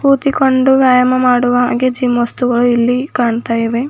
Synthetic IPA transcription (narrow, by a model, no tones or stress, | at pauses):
puːt̪iko̞ɳɖuʋjaːjɐmɐmaːɽuʋɐaːɡed͡ʒiːmʋɐst̪uɡɐɭuilːikaːɳt̪aːjiʋe